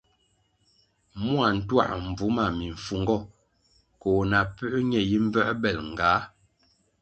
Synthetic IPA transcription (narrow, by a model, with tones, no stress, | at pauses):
mu˦a˨n̩˨twa̰˦˨ʔm̩˨b͡vu˨˦ma˨mi˨ɱ̩˨fu˨ŋɡɔ˦˨ | kɔ˨na˨pʉ˦ʔɲɛ˨ji˦m̩˦bɛ˦ʔbɛ˦˨lŋ̩˨ɡaː˨˦